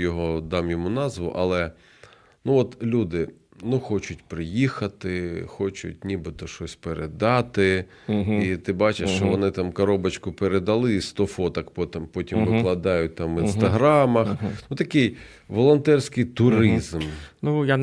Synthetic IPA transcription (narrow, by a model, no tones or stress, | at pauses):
jɔɦɔd̪ɑmjɔmunɑzʋʊ̰ʔɐ̰lˠɛ | nuɔt̪lʲud̪ɪ | nuxɔt͡ʃʊtʲpɾɪjixɐt̪ɪxɔt͡ʃʊ̰tʲnʲibɪt̪ɔʃɔsʲpeɾed̪ɑt̪ɪ | it̪ɪbɑt͡ʃeʃt͡ʃɔʋɔnɪt̪ɑmkɐɾɔbɐt͡ʃkʊpeɾed̪ɐlˠɪst̪ɔfɔt̪ɐkpɔt̪mpɔtʲimʋɪklˠɐd̪ɑjʊt̚ʲt̪ɑmɪnst̪ɐɦɾɑmɐxnut̪ɐkɪj | ʋɔlˠɔnt̪ɛrsʲkɪjt̪ʊɾɪzmnuja